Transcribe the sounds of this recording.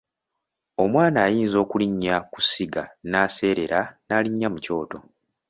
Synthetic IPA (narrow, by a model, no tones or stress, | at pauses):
o̞mwaːnaːjiːnzo̞ːkuliɲːaku̥siɡa̰naːse̞ːɾe̞ɾanaːliɲːamuco̞ːto̞